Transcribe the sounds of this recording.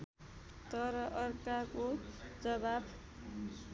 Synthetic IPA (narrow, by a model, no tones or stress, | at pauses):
t̪ʌɾʌʔʌrkakod͡zʌbab